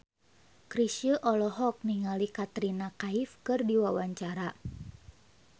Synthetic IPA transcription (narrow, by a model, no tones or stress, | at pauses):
kɾisəʔɔlɔɦɔk̚niŋalikat̪ɾinakaifkɨrdiwawaɲt͡ʃaɾa